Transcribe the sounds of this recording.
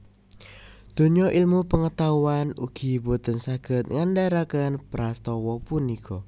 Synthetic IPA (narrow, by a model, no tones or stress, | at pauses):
d̪̥o̤ɲɔʔilmupəŋət̪auanṵɡ̥i̤bot̪ənsaɡ̥ət̪̚ŋandaɾakənpɾast̪ɔwɔpunikʰɔ